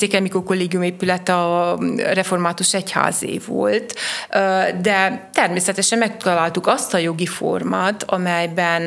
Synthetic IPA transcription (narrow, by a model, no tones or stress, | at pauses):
seːkɛmikorko̞lːeːɡijumeːpylɛt̪ː | rɛfo̞rmaːt̪uʃɛcha̰ːzḛːvo̞̰lt̪ | d̪ɛt̪ɛrmeːsɛt̪ɛʃɛmmɛkt̪ɒlaːlt̪ukɒst̪ɒjo̞ɡifo̞̰rmaːt̪ɒmɛjbɛn